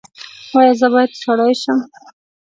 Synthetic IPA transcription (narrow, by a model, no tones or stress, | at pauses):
wɑjɑzəbɑjad̪saɽɑjʃəm